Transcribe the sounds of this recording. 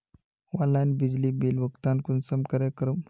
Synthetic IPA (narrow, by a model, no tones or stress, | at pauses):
ʋalanbid͡ʑliːbilʋəkt̪ankunsəmkəɾekɾəm